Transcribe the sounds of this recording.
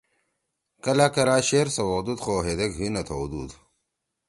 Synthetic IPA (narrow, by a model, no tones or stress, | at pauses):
kɐlakɐɾaːɕeɾsɐwod̪ud̪xoːɦed̪eɡɦinɐt̪ʰod̪ud̪